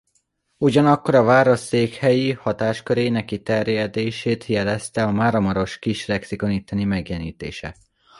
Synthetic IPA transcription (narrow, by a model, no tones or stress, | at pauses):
uɟɒnɒkːo̞ɾɒvaːɾo̞ʃːeːkhɛjihɒt̪aːʃkøɾeːnɛkːit̪ɛrjɛd̪eːʃeːt̪jɛlɛst̪ɛɒmaːɾɒmɒɾo̞ʃkiʃlɛksiko̞niːt̪ːɛnimɛɡjɛniːt̪ḛːʃɛ̰